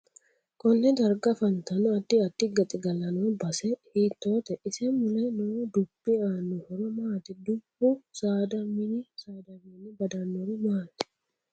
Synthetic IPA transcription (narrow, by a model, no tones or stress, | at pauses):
kʼɔnːɛd̪ɐɾɡɐfɐnt̪ɐnʊɐt̪ːɪɐt̪ːɪɡɐt̪ʼɪɡɐlːɐnoːbɐsɛhiːt̪ːo̞ːt̪ɛʔɪsɛmmʊlɛnod̪ʊb̥ːɪaːnːʊhɔɾɔmaːt̪ɪd̪ʊb̥ːʊsaːd̪ɐmɪnɪsaːd̪ɐminɪbɐd̪ɐnːɔɾʊmaːt̪ɪ̥